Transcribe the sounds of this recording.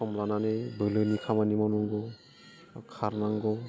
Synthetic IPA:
ɔmlananebɯlɯnikʰamanimanɔŋɡɔ | kʰaɾnaŋɡɔ

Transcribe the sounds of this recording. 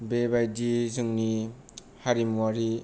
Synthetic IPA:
bebajdizɯŋni | haɾimwaɾi

